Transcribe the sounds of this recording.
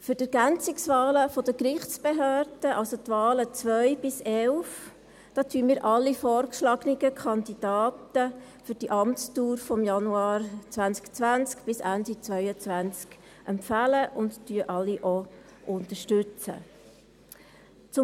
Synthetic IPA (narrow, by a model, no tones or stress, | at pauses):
fʏɾdɛɾɡ̥ænt͡sɪksʋɑːləfɔd̥əkɾɪχt͡sb̥eɦøːɾd̥əʔɑlsot̪vɑːlət͡sʋœʏb̥ɪsɛlf | d̥ɑːt̪ʰyəmiːɾʔɑlːifɔːɾkʃlɑɡ̥niɡəkʰχɑnd̪id̥ɑːtə | fʏɾd̥iʔɑmtstuːɾfɔmjɑnuɑːɾt͡svænt͡skt͡sʋænt͡skb̥ɪsændit͡svœʏət͡sʋænt͡sk | ʔɛmfæləʔʊnttyəʔɑlːiʔɔ | ʔʊnt̪əʃtʉt͡sə̰ | t͡sʊ